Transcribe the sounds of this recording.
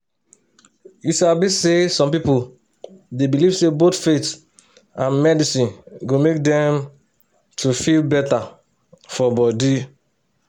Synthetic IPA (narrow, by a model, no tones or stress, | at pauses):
juʃabisesɔ̃mpipo | debilivsebotfet | ãnmɛdisĩnɡomek̚dɛ̃m | tʰufilbɛta | fɔbɔdi